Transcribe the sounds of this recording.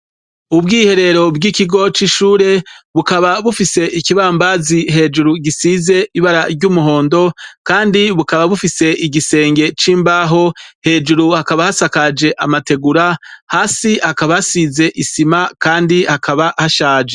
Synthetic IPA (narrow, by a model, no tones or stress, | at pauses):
ubɡiːhe̞ɾe̞ɾo̞bɡikiɡo̞t͡ʃiʃuːɾe̞βukaβaβufise̞ʔikiβambaziɦe̞ːd͡ʒuɾuɡisiːze̞iβaɾaɾɟuːmuɦo̞ːndo̞kaːndiβukaβaβufise̞ʔiɡise̞ːŋɡe̞t͡ʃiːmbaːɦo̞he̞ːd͡ʒuɾuhakaβahasakad͡ʒe̞ʔamate̞ɡuɾahaːsihakaβahasiːze̞ʔisimakaːndihakʰaβahaʃaːd͡ʒe